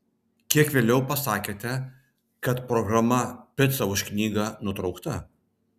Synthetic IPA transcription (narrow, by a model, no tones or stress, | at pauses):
kʲiɛkʋʲeːlʲɛʊpɐsɑːkʲeːt̪ʲɛ | kɐt̪pɾɔɡɾɐmɐpʲɪt̪sɐʊʃʲknʲiːɡɑnʊt̪ɾɒʊkt̪ɐ